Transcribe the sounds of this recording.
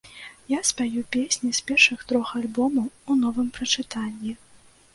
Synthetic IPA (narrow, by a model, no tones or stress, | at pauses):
jaspʲajupʲesʲnʲispʲɛrʂɨxt̪ɾɔxalʲbɔmɐwunɔvɨmpɾɐt͡ʂɨt̪anʲːi